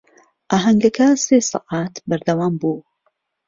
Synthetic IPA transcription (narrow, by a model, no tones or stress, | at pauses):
ʔaːɦɐŋɡɐkʰaseːsɨ̰ʔaːt̪bɐɾd̪ɐwaːmbuː